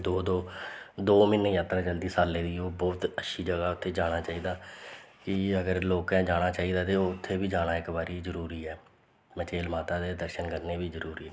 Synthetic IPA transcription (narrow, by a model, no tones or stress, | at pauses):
d̪oːd̪oːd̪oːmɪnːẽːjaːt̪ɾaːt͡ʃəld̪iːsaːlːeːd̪iːoːbɔːt̪əʃʰiːd͡ʒəɡaːʊt̪ʰːeːd͡ʒaːɽ̃aːt͡ʃaːiːd̪aːkɪəɡəɾloːkɛ̃ːd͡ʒaːɽ̃aːt͡ʃaːiːd̪aːt̪eːoːʊt̪ʰːeːbiːd͡ʒaːɽ̃aːɪkbaːɾiːzəɾuːɾiːɛː | mət͡ʃeːlmaːt̪aːd̪eːd̪əɾʃənkəɾneːbiːzəɾuːɾiː